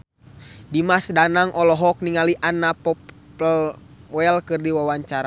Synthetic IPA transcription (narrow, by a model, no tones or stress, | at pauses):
dimasdanaŋʔɔlɔɦɔk̚niŋaliʔanːapɔp | l | ɔɛlkɨrdiwawaɲt͡ʃaɾa